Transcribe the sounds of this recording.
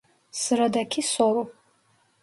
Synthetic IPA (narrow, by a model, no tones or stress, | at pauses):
sɨɾad̪akʲʰisɔɾu